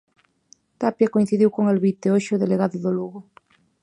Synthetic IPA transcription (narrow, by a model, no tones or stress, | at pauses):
t̪apjakoĩn̟θiðiwkoŋalβit̪eoʃoðeleɣaðʊðoluɣʊ